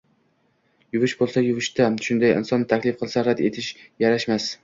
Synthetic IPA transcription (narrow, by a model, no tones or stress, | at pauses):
jʊvɪʃbolˠsajʊvɪʃt̪aʃʊnd̪ajɪ̰nsɒnːɪt̪ʰakʲlɪfqʰɨlˠsaɾad̪e̞t̪ʰɪʃjaɾaʃmas